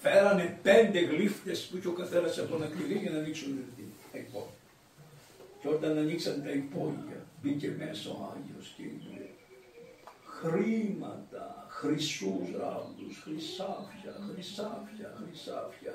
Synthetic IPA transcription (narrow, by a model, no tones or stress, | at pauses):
feɾɐnepend̪eɣlift̪espucokɐθelɐsɐt̪onɐkt̪iliʝɐnɐniksunet̪it̪ɐipo | ceoɾt̪ɐnɐniksɐnet̪ɐipojɐ̰ðicemeso̰a̰joscḭ | xɾimɐ̰t̪ɐ̰xɾisusɾa̰md̪usxɾisafçɐxɾisafçɐxɾisafçɐ̰